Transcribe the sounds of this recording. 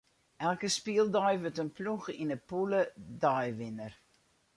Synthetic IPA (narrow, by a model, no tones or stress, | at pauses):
ʔɛlˠkəspiəlˠdɔjʋøtənpluxinəpulədɔjʋɪnər